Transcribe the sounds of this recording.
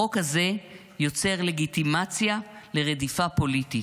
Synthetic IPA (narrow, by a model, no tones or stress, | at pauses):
o̞khaze̞ | jo̞t͡se̞ʁle̞ɡitimat͡sjale̞ʁedifapo̞liti